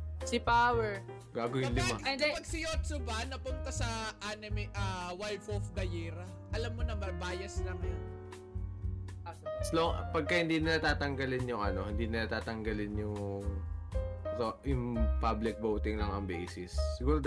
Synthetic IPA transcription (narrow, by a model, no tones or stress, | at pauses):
sɪpaːwɛɹ | ɡaːɡojʊnlɪmanɛpɐɡ̚sɪjoːt̪sʊbɐnɐpʊnt̪ɐsɐʔanɪmɪʔɐwalfofd̪ɐjɛɾɐ | ʔɐlɐmːonɐmɐbaːjɐslɐŋɐjon | assloŋpɐɡ̚kɐhɪnd̪iːnɪnat̪aːt̪ɐŋɡɐlɪnjʊŋʔɐno̞hɪnd̪iːnɪnɐt̪aːt̪ɐŋɡɐlɪnjʊŋ | t̪oʊŋpablɪk̚bowt̪ɪŋlɐŋɐŋbɛ̰jsɪsːɪɡuːɾod̪